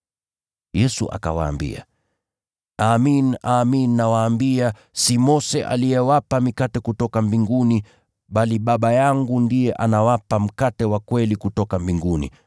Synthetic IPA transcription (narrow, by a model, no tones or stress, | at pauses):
jɛsṵʔa̰ka̰wa̰ːmbḭa̰ | aminaːminːawaːmbia | simɔsɛʔa̰lijɛwapamikatɛkutɔkambiŋɡuni | ɓaliɓaɓajaŋɡundijɛʔanawapam̩katɛwakwɛlikutɔkambiŋɡunḭ